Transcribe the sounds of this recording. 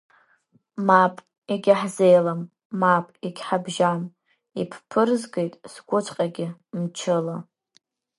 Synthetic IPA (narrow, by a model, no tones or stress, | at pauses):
mapʼ | iɡʲɪħzejlamː | apʼiɡʲħabʒam | ḭpʰpʰɨrzɡejtʼsɡʷʊt͡ʃʷʰʼqʼaɡʲɪmt͡ʃʰɨla